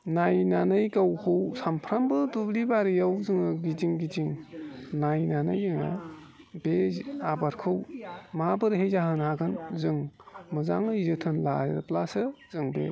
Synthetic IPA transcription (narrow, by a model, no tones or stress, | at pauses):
najnanɯjkawhʰɯwsampʰɾambɯdublibaɾijawzɯŋɯɡiziŋɡiziŋnajnanɯ̰jɯŋa̰ | beabaɾkʰɯwmabɯɾɦejzaɦɯnhaɡɯnzɯŋmɯzaŋɯizɯtʰɯnla̰ɾeɾplasɯz̥ɯŋbḛ